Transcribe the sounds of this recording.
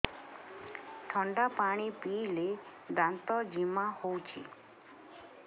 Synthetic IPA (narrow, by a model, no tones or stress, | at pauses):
ʈʰɔɳɖapaɽ̃ipile | d̪ant̪ɔd͡ʒimahowt͡ʃʰḭ